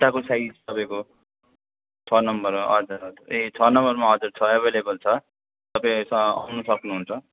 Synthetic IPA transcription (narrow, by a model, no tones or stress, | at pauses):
ʈ̪akosaid͡zʌbãko | t͡sʰʌnʌmbʌɾmaʌ̰d͡zʌɾet͡sʰʌnʌmbʌrmaɦʌd͡zʌɾt͡sʰʌebʱelebʌlt͡sʰʌ | t̪ʌpaĩsʌʌ̰wnusʌknuɦunt͡sʰʌ